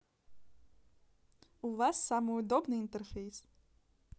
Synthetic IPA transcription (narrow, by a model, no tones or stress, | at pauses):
uvasːamɨud̪ɔbnɨint̪ɛrfʲejs